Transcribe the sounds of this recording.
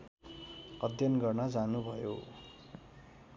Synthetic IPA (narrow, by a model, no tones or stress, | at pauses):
ʌd̪ʱjʌnɡʌrnʌd͡zanubʱʌjo̰